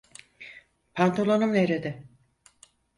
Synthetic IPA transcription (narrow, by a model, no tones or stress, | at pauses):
pʰant̪ʰolˠonumeɾed̪ɪ